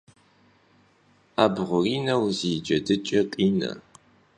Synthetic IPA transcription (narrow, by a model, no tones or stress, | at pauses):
aːbʁʷʊriːnɐwziːd͡ʒʼɐdɨt͡ʃʼɐqʼiːnɐ̰